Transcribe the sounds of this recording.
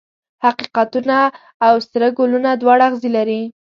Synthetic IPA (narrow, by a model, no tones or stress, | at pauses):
haqiqat̪unaː | wst̪ɾəɡolunad̪wɑɽaɣzilaɾi